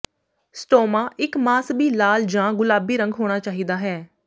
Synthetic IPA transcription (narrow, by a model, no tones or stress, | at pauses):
sʈoːmãːʔɪkmaːsbiːlaːld͡ʒãːɡʊlaːbiːɾə̃ŋɡɦoːɽ̃aːt͡ʃaːɦiːd̪aːɦɛː